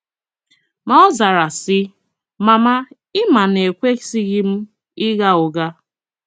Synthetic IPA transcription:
mɔ˦ɔ˦za˨ɾa˨sɪ˦ | ma˨ma˦ | ɪ˦ma˨ne˨kʷe˦si˦ɣɪ˦m̩˦ | ɪ˦ɣa˦ʊ˨ɡa˦

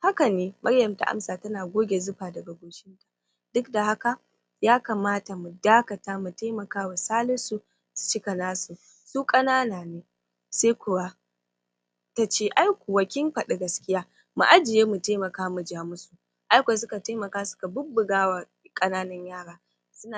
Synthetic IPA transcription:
ha˦ka˨neː˦mʔɐ˦ɽjɐ˨mta˨ʔa̰˦msaː˨tɐ˦naː˨ɡʷoː˦ɡʲe˨zʊ˦ɸaː˨dɐ˨ɡa˨ɡoː˨ʃɪ˦nta˨ | d̥ʊ˦kda˨ha˦ka˨ | jaː˦kaː˨maː˦ta˨mu˨daː˦kɐ˨taː˦mu˨ta˦mɐ˨kaː˦wa˨saː˦lʊ˦nsu˨ | su̥˨t͡ʃɪ˦ka˨naː˦su˨ | suː˦kʼɐ˦naː˦naː˨neː˦ | seː˦kʷʊ˨wa˦ | ta˦t͡ʃeː˦˨ʔa˦jkʷu˨wɐ˨kʲɪ˦mɸɐ˨ɗi˨ɡɐ˨skʲɪ˦jaː˦ | mṵ˨ʔa˦d͡ʒɪ˨jeː˦mu˨teː˦mɐ˨kaː˦mu˨d͡ʒaː˨mʊ˦su˨ | ʔa˦jkʷa˨s̬ʊ˦ka˨taː˦mɐ˨kaː˦sʊ̥˦ka˨bʊ˦bːʊ˨ɡaː˦wa˨ | kʼɐ˦naː˦nɐ˦ɲjaː˦ɽaː˨ | sʊ˦na˨

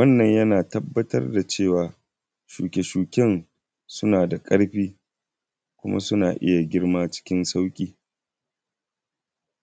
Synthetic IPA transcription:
wɐ˦nːɐ˨ɲjɐ˦naː˨tɐ˦bːɐ˦tɐ̰˦rda˨t͡ʃeː˦˨waː˨ | ʃṵː˨kʲe˨ʃuː˨kʲɛ˦n | sʊ˦naː˨da˨kʼɐ˦ɽɸiː˦ | kʷʊ˦ma̰˦sʊ˦na̰ː˨ʔɪ˦ja˨ɡʲɪ˦ɽmaː˦t͡ʃɪ̥˦kʲɪ˦nsa˦wkʲʼiː˦

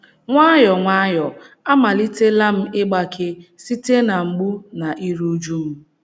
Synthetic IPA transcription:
ŋʷa˦jɔ˨ŋʷa˦jɔ˨ | a˦ma˨li˦te˦la˦m̩˦ɪ˦ɡ͡ba˦kʰɪ˦si˦te˦na˨ŋ͡m̩˨ɡ͡bu˦na˨ʔi˦ɾu˦d͡ʒu˦m̩˦

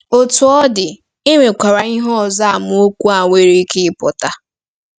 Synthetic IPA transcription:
o˨tu˨ɔ˦dɪ˨ | ɪ˦ŋʷe˨kʷa˨ɾa˨i˦ɦɔ˦ɔ˨za˦a˨mʊ˨˦o˦kʷu˦a˨ŋʷe˨ɾi˦kɪ˦ɪ˦pɔ˨ta˨

